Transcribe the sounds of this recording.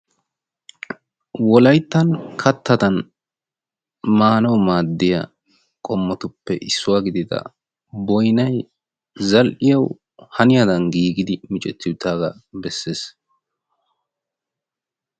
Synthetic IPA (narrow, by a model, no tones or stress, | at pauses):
wɔlɐjt̪ːɐnkʰɐt̪ʰːɐd̪ɐn | maːnɐwmaːd̪ːɪjɐ̰ | kʼɔmːɔt̪ʊpːɛʔɪsːʊwaːɡɪd̪ɪd̪ɐ̰ | bɔjnɐj | zɐlʔɪjɐw | hɐnɪjad̪ɐnɡiːɡɪd̪ɪmɪt͡ʃʼɛt̪ːɪt̪ːaːɡɐbɛsːe̞ːs